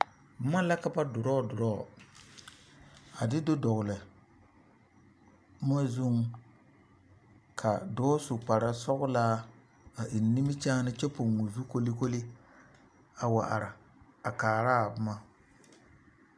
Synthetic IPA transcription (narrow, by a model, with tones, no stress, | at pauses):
b̩˦ma˦la˦ka˦ba˦dʊ˨ɾɔː˦˨dʊ˨ɾɔː˦˨ | a˨dɪ˦do˦dɔ˨ɣʊ˨lɛ˨˦ | m˦a˦zu˦ŋ | kʰa˨dɔː˦sʊ˨k͡pa˨ɾa˦sɔ˦ɣʊ˦laː˦ | a˨ʔɪ˨nː˨˦i˦mɪ˦t͡ʃaː˦nɪ˦t͡ʃɛ˦po˨ŋːo˨zu˦ko˦li˦ko˦li˦ | a˨wa˨ʔa̰˨ɾɪ˨ | a˨kaː˨ɾaː˦˨bʊ˦ma˦